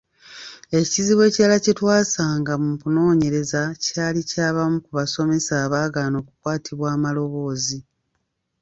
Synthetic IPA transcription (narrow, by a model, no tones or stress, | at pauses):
e̞ciziβwe̞ːcaalacitwaːsaːŋɡamukuno̞ːɲe̞ɾe̞zacaːlicaːβamukuβaso̞me̞saːβaːɡano̞ːku̥kwaːtʰiβwaːmalo̞βo̞ːzi